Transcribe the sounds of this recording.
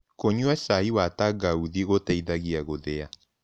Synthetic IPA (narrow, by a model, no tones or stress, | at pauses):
koɲuɛsaiwataɡauðiɣotɛiðaɣiaɣoðɛa